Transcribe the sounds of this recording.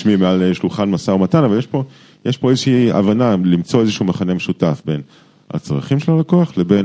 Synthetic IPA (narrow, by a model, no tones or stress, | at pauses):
ʃmimealeʃluχanmasaomatanavaljeʃpo̞ | jeʃpo̞ezeʃiːa̰vanalimt͡so̞ezeʃumaχanemeʃutafbe̞n | ha̰t͡sʁa̰χimʃelalakoaχleben